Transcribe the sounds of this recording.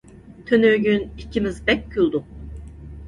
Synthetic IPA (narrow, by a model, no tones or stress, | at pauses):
t̪ʰønyɾɟynicʰimizbɛc̚ːulˠd̪u